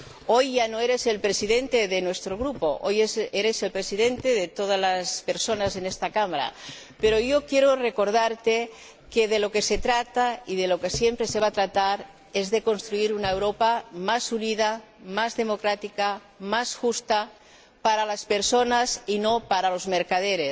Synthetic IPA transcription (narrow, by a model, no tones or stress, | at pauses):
o̞jʝanoeɾe̞se̞lpɾesiðe̞nt̪eðenwest̪ɾoɣ̞ɾupo̞ʔojeseɾe̞se̞lpɾe̞siðe̞nt̪e̞ðet̪o̞ð̞azlaspeɾso̞naze̞nest̪akamaɾa̰ | peɾo̞jo̞kje̞ɾore̞ko̞ɾð̞aɾt̪e | keðe̞lo̞ke̞se̞t̪ɾat̪aiðeloke̞sje̞mpɾe̞se̞β̞at̪ɾat̪aɾ | ezðe̞ko̞nst̪ɾuiɾunaewɾo̞pamasuniða | mazðe̞mo̞kɾat̪ika | masxust̪a | paɾalaspe̞ɾso̞nasino̞paɾalo̞zmeɾkaðeɾes